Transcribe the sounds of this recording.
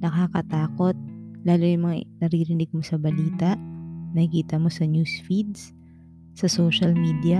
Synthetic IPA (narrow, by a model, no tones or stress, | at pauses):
nɐkakɐt̪aːko̞t̪̚laːlojʊŋmɐŋanɐɾiːɾɪnɪɡ̚mosɐbɐliːt̪ɐʔnɐhɪkiːt̪ɐmo̞sɐnjuːsfid̪̚s | sɐsoːʃɐlmiːd̪ɐ